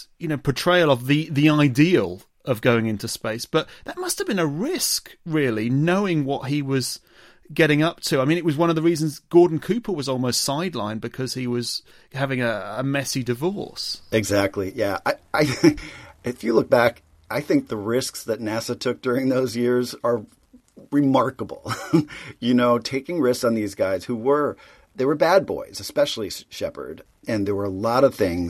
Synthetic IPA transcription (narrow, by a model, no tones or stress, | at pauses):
jɨnoʊpʰətʰɹ̥eɪlˠʌvðɨðiaɪdiəlˠ | ʌvɡoʊɪ̃ŋɪ̃ntʉspeɪsb̥ʌt̪̚ðət̚mʌsthəvbɨ̃nəɹɪskɹɪlˠinoʊɪ̃ŋwʌt̚ɦiwʌz̥ | ɡɛɾɪ̃ŋʌp̚tʰʉaɪmĩnɨt̚wʌzwʌ̃nʌvðəɹizn̩zɡ̥ɔɹdⁿn̩kʰʉpʰə˞wʌzɔlˠmoʊstsaɪdˡlã̰ɪ̃nbɨkʰʌz̥iwʌz̥ | hævɪ̃ŋɨəmɛsidɨvɔɹsɨɡzæk̚tˡlijæaɪaɪ | ɪfjɨlʊk̚b̥æk | aɪθɪ̃ŋk̚ðəɹɪsksðɨtⁿnæsətʰʊk̚d̥ʊɹɪ̃ŋðoʊzjɪɹzə˞ | ɹɨmɑɹkəbl̩ˠ | jɨnoʊtʰeɪkɪ̃ŋɹɪsksn̩ðizɡaɪz̥huwə˞ | ðewə˞bæd̚bɔ̰ɪz̥ɨspɛʃl̩ˠiʃɛpə̰˞d | ɨ̃nðə˞wə˞əlɔɾʌv̥θɪ̃ŋz